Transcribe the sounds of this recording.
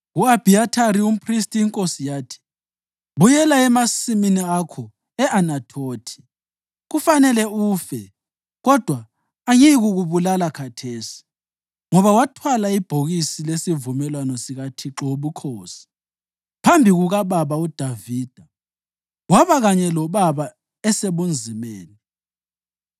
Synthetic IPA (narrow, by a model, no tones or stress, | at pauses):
ɣuab̥ʱiatʰaɾium̩pʰristʼiːŋkʼosijaːtʰi̥ | βujɛlaɛmasiminiakʰɔ | ɛʔanatʰoːtʰi̥ | ɣufanɛlɛuːfɛ | ɣɔd̥ʱwaː | jiɣuɣuβulalakʰatʰeːsi̥ | ŋɔβawatʰwalaib̥ʱoɣisilesivumɛlwanɔsiɣatʰiǁɔoβukʰoːsi̥ | pʰambʱiɣuɣaβaβaud̥ʱaviːd̥ʱa | waβaɣaɲɛlɔβaβa | ɛseβund͡zʱimeːni